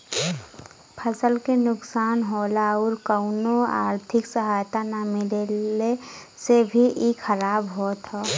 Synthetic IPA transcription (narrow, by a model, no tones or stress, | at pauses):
pʰəsəlkenʊksaːnɦoːlaɔːɾkəʊnoa̰ːɾt̪ʰɪksəɦaːjt̪anamɪlele | sebʱiʔikʰəɾaːbɦot̪ʰɦoː